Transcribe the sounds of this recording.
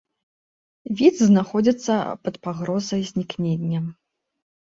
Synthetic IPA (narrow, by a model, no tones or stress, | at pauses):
vʲid̪zznaxɔd͡zʲit̪sːɐpɐt̪paɣɾɔzɐjzʲnʲiknʲenʲːɐ